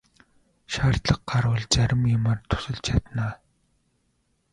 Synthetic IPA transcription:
ʃaːr̥t̪ɮə̆qɢaɾʊːɮt͡sæɾʲɪ̆mjʊmart̪ʰʊ̥sə̆ɮt͡ɕʰat̪naː

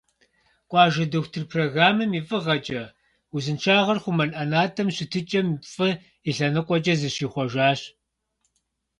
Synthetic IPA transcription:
kʷʼɑːʒɐdoxʷtʰɨrpʰroːɣaːmɐmifʼɨʁɐt͡ʃʼɐ | uzɨnt͡ʃʰaːʁɐrχʷʊmɐnʔɐnaːtʰʼɐmɕɪtʰɨt͡ʃʼɐmfʼɨ | iɬɐnɨqʷʼɔt͡ʃʼɐzɨʃiːχʷɔʒaːɕ

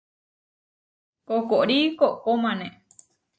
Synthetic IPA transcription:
kokoʔɾikoʔkomãnẽ

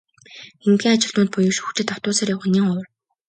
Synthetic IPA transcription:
ent̪ɡʲiːŋat͡ɕɪ̆ɮt̪ʊːnt̪̚pʊjʊːʃu̥xt͡ɕɪ̆t̪awt̪ʊːsaːrjawə̆niːŋɔw̆r

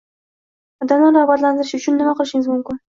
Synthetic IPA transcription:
d̪amlaɾɾɑʁbat̪land̪ɨɾʃʊt͡ʃʰʊnːɪmaqʰɨlˠɪʃɪŋɪzmʊmkʊn

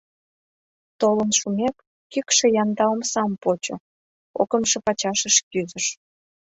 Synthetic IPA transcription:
t̪olənʃumʲekː | ykʃĕjɑnd̪ɑomsɑmpot͡ɕo̰ | okəmʃĕpɑt͡ɕɑʃə̆ʃkyzə̆ʃ

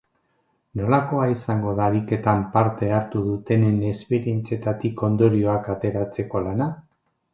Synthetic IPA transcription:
no̞lako̞aisaŋɡo̞ðaβike̞t̪ampaɾt̪e̞aɾt̪uðut̪e̞nene̞spe̞ɾie̞nt͡sie̞t̪at̪iko̞nd̪o̞ɾio̞akat̪e̞ɾat͡se̞ko̞lana

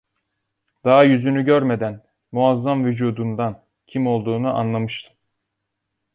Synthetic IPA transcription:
d̪̥ɑɦajyzynyɟøɾme̞d̪æn | muazːamvyd͡ʒuːd̪und̪an | cʰimo̞lˠd̪uːnuʔa̰nlˠamɯʃt̪ʰɯ̥

